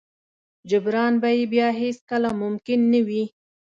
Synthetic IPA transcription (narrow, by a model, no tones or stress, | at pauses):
d͡ʒʊbɾɑnbajebjɑɦeskəlamʊmkɪnːawi